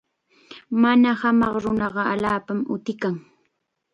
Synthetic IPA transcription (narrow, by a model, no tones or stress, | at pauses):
manahamɑχɾʊnɑɢɑaʎaːpamʊ̰t̪ɪkaŋ